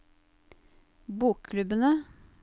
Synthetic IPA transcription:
buːkkʰlʉbənə

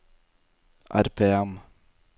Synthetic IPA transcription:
ʔæ̰ɾpʰeːɛm

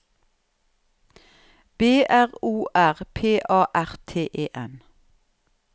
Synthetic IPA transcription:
b̥eːʔæʁuːʔæʁpʰeːʔɑːʔæʁt̪ʰeːʔeːʔɛn

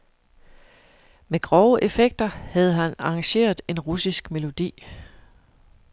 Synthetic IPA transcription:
meɡ̥ʁɒʊəʔe̝feɡ̥̚d̥ɐhæð̞̩ˠɦænɑ̈ŋɕe̝̰ːɐð̩ˠe̝nʁusisɡ̥me̝lo̝d̥ḭː

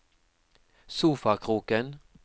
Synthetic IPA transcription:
suːfaɾkʰɾuːkən

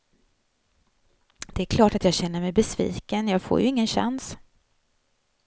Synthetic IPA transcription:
d̪̥ɛæɾkʰlɑːʈat̪jɑːɡɕɛnːəɾmɛjbɛsvḭːkənjɑːɡfo̰ːɾjɵɪŋːənɕa̰ns

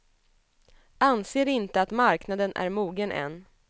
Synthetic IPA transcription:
anseːɾɪnt̪əat̪maɾknad̪ənʔæ̰ɾmuːɡənʔɛ̰n

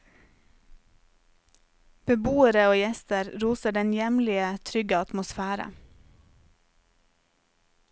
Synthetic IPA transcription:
b̥əbuːəɾəoːjɛst̪əɾɾuːsəɖɛnjɛmlɪət̪ʰɾʏɡəɑt̪mʊsfæːɾə̰

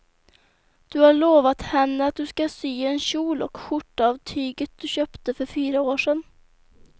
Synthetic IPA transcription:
d̪̥ɵhaɭoːvat̪hɛnːəat̪̚d̪ɵskasyːɛnɕuːlɔkɧʊʈːavt̪ʰyːɡət̪̚d̪̥ɵɕøːpt̪əfœɾfyːɾaoːʂɛn

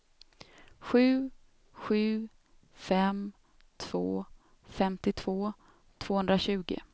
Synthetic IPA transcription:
ɧʉ̟ː | ɧʉ̟ː | fɛm | t̪ʰv̥oː | fɛmt̪ɪt̪ʰv̥oː | t̪ʰv̥oːhɵnd̪ɾaɕʉ̟ːɡɪ̰

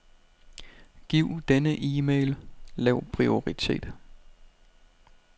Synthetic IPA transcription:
ɡ̥iʊ̰d̥enəʔiːmeːɪllɛʊpʰʁio̝ʁit͡sʰe̝̰ːd̥

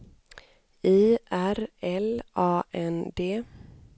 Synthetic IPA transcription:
iːʔæɾɛlʔɑːʔɛnd̪eː

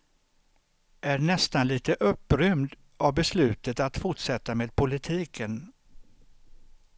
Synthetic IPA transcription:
ʔæɖɳɛst̪anliːt̪əʔɵpːɾʏmd̪ | ʔavbɛslʉ̟ːt̪ət̪at̪fʊʈʂɛt̪ːameːd̪̚pʰʊlɪt̪ʰiːkʰən

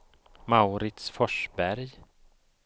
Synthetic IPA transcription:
maʊɾɪt̪sfɔʂbæɾj

